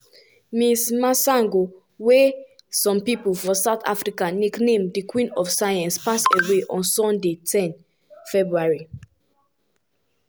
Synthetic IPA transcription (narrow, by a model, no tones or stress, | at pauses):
mismasãŋɡo | wɛ | sɔ̃mpipulfɹɔ̃saʊtʰa̰fɹikaneknẽmdikwĩnɔfsajãnspaseweʔɔ̃nsɔ̃ndetʰɛ̃n | fɛbɹuaɹi